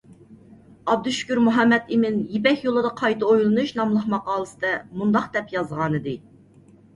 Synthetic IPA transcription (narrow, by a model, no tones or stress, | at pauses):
ɑb̚d̪uʃy̥kʲyɾmuɦɛmːɛd̪ɪmɪnjepɛkʲjolˠɨd̪ɑqʰɑjt̪ɑojlˠɨnuʃnɑmlˠəχmɑqɑːlˠɨsɨd̪ɛmund̪ɑqd̪ɛpjɑzʁɑnɨd̪ɨ